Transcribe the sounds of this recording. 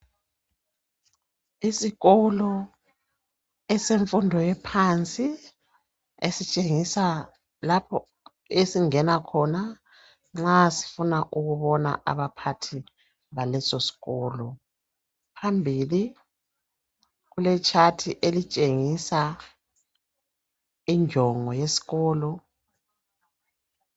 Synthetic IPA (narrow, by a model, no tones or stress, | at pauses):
isiɣɔlɔ | ɛseɱfundʱɔjɛpʰant͡sʼi | esit͡ʃʼeŋisa | lapʰɔ | esiŋɛnakʰɔna | ŋ͡ǁasi̥funaʔuɣuβɔna̰ʔa̰βapʰatʰi | βalɛsosi̥ɣɔːlɔ | pʰambʱili | ɣulɛt͡ʃʰʼatʰiʔelit͡ʃʼeŋisa | iɲd͡ʒʱɔŋɔjesi̥ɣɔːlɔ